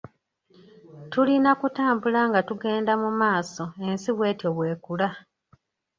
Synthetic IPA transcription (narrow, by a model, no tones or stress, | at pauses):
tulinakutaːmbulaŋɡatuɡe̞ːndamumaːso̞e̞nsiβwe̞ːtjo̞βwe̞ːkula